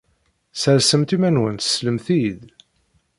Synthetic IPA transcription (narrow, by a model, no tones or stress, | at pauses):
səɾsəmt̪imænwənt̪ə̥sləmθið